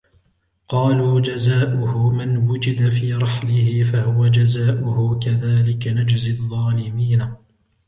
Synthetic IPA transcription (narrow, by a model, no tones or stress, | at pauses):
qɑːluːd͡ʒazaːʔʊhʊmɪnwʊd͡ʒɪd̪afiːɾˤɑħlɪhɪfahʊwad͡ʒazaːʔʊhʊkaðaːlɪkanad͡ʒzɪðˤːɑːlɪmiːna